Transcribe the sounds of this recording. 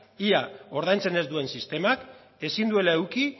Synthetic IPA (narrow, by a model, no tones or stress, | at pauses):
iao̞ɾð̞ajnt͡se̞ne̞zd̪ue̞nsist̪e̞mak | e̞sind̪ue̞lae̞wki